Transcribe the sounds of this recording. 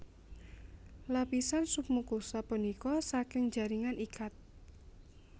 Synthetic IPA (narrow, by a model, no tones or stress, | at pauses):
lapisansup̚mukusapənikɔsakɪŋd͡ʒa̤ɾiŋanʔikat̪̚